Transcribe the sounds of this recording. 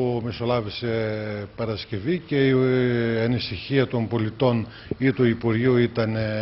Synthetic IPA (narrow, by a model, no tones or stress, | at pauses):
miso̞lɐvise̞pɐɾɐsce̞vice̞iɐnisiçiɐt̪o̞mbo̞lit̪o̞n | it̪uipuɾʝiuit̪ɐn